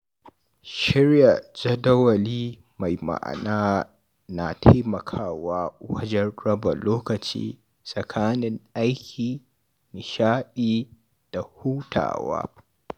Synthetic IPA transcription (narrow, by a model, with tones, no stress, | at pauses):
ʃɪ˦ɾja˨d͡ʒɐ˦dɐ˦wɐ˨liː˦ | ma˨jma̰˨ʔa̰˨naː˦ | na˨tʰa˦jmɐ˨kʰaː˦waː˦wɐ˦d͡ʒɛ˦nɽɐ˦bɐ˨loː˦kɐ˨t͡ʃḭː˦ | sʼɐ˨kʰaː˦nɪ˦ŋʔa˦jkʲʰiː˨ | nɪ˨ʃaː˦ɗiː˦˨ | d̥a˨huː˦tʰa̰ː˨wa̰ː˦